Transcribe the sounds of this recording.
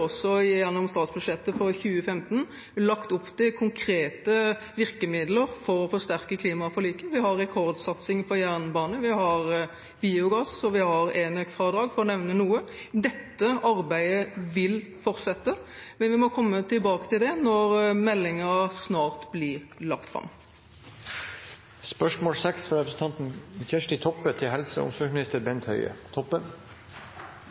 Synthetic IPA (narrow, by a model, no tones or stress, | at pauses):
ɔsːɔjɛnɔmst̪ɑːt̪sbʉd̪ʂɛt̪ːəfɔçʉːəfɛmt̪n | lɑkt̪ʊpːt̪ʰɪkʰʊŋkʰɾeːt̪ə | ʋɪʁkəmɪd̪ləɾfɔɾɔfɔʂt̪æʁkəkʰliːmɑfɔliːkəʋɪhɑɾːɛkʰɔɾd̪sɑt̪sɪŋpɔjæʁnbɑːnəʋɪhɑɾ | biʊɡɑsɔʋɪhɑɾeːnøːkfɾɑːd̪ɾɑːɡfɔɾɔnɛʋnənuːəd̪ɛt̪ːəɑɾbæɪəʋɪlfɔɾt̪sɛt̪ːəmɛnʋɪmɔkʰɔmːət̪ɪlbɑːkə̥t̪ɪld̪ɛnɔɾmɛlːɪŋəsnɑːʁt̪blɪɾlɑkt̪fɾɑ̰mː | spœʂmoːlsɛksfɔɾɛpɾəsn̩t̪ɑnt̪nçɛʂʈɪt̪ʰɔpːət̪ʰɪɦɛlsə̰ʊ̰msɔmɪnɪst̪əɾbɛnt̪hœ̰ʏə̰t̪ʰɔpːən